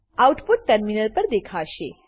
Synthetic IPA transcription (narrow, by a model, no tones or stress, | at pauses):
awuʈpuʈ̚ʈəɾminəlpəɾd̪ekʰaʃḛ